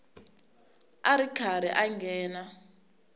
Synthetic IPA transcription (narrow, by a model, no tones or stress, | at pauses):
aɾikʰaɾɛʔaŋɡɛːna